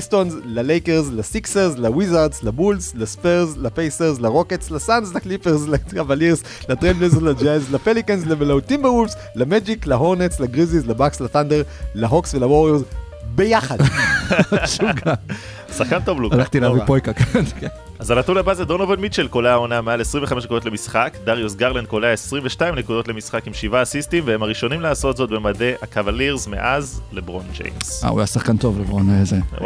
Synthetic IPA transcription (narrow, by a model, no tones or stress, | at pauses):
ist̪onzlalejkeʁzlasikseʁzlawizaʁdslabulzlaspeʁzlapejseʁzlaʁo̞ketslasanzlaklipeʁzlakavaliʁz | lat̪ʁeblezlad͡ʒɛzlapelikenzlamelaut̪imbeʁuls | lamed͡ʒiklaɦo̞ʁnetslaɡʁizizlabakslaθandeʁlaɦoksvelawoʁeʁz | bejaχad̪ | ʃuɡa | saχkant̪o̞vlualaχt̪ilavipojkakankʰenʔazanat̪unabazed̪onovedmit͡ʃelkoleaonamealesʁimveχameʃnekudot̪le̞misχakd̪aʁjosɡaʁlend̚koleesʁiɱveʃtaimnekudo̞tlemisχakimʃivaːsistimveemaʁiʃo̞nimlaːso̞t̪zo̞t̪̚be̞made̞ʔakavaliʁzmḛʔazlebʁond͡ʒḛjmsa̰ṵjasaχkant̪o̞vlebʁoneze